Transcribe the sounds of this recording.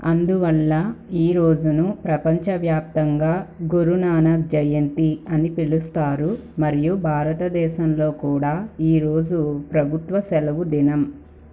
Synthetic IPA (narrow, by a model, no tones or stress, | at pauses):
ɐnd̪uʋɐlːɐiːɾo̞ːd͡ʒunupɾɐpɐɲt͡ʃɐʋjaːp̚t̪ɐŋɡaːɡuɾunaːnɐk̚d͡ʒɐjɐnt̪iɐnipiɭust̪aːɾu | mɐɾijubʱaːɾɐt̪ɐd̪ɛːʃɐmlo̞ːkuːɽaːiːɾo̞ːd͡ʒupɾɐbʱut̪ʋɐsɛlɐʋud̪inɐm